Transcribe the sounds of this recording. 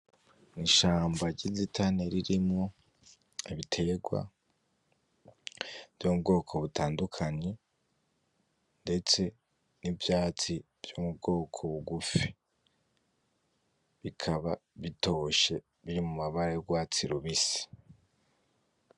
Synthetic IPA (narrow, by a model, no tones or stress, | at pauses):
niʃaːmbaɟizitʰane̞ɾiɾimŋo̞ | iβitʰe̞ɡwa̰ | v̥joubɡo̞ːkʰo̞βutaːndukʰaɲe | nde̞t͡se̞ | nivjaːt͡si | v̥jomubɡo̞ːkʰo̞βuɡufi | βikʰaβaβito̞ʃe̞ | βiɾimumaβaɾejoɡwaːt͡siɾuβisi̥